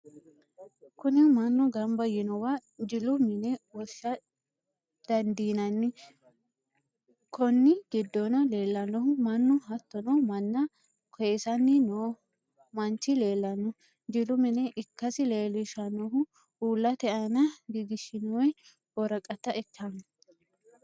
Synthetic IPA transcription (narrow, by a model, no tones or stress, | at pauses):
kʊnɪmɐnːʊɡɐmbɐjɪnɔwad͡ʒɪlʊmɪnɛwɔʃːɐ | d̪̥ɐnd̪iːnɐnːɪ | kʰɔnːɪɡɪd̪ːɔnɐle̞ːlːɐnːɔhʊmɐnːɔɦɐt̪ːɔnɔmɐnːɐ | kʰɔjesɐnːɪnoː | mɐnt͡ʃːɪle̞ːlːɐnːɔ | d͡ʒɪlʊmɪnɛʔɪkːɐsɪleːlɪʃɐnːɔɦʊ | uːlːɐt̪ɛɐnɐɡɪɡ̪ɪʃɪnɔwɛ | ɔɾɐkʼɐt̪ːɐʔɛkʰːam